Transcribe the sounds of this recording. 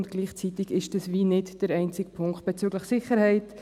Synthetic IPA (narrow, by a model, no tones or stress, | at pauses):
ntɡ̥liːχt͡sit̪ɪɡɪʃd̥ɑsviːnɪdd̥əɾɛɪnt͡sɪkpʰʊŋkχt̚b̥ɛt͡syɡləχsɪχəɾhɛɪt